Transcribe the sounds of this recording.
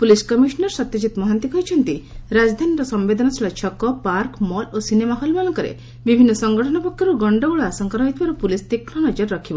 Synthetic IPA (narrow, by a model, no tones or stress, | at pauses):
puliskɔmisɔnɔɾsɔt̪jɔd͡ʒit̪mɔɦant̪ikɔɦit͡ʃʰɔnt̪iɾad͡ʒd̪ʱaniɾɔsɔmbed̪ʱɔnɔt͡ʃʰilat͡ʃʰɔkɔpaɾkmɔlosinemaɦɔlmalɔŋkɔɾḛ | bibʱinːɔsɔŋɡɔʈʰɔɽ̃ɔpɔkʰjɔɾuɡɔɳɖɔuɭɔasɔŋkaɾɔɦit̪ʰibaɾupulist̪ikɾɔnɔd͡ʒɔɾːɔkʰibɔ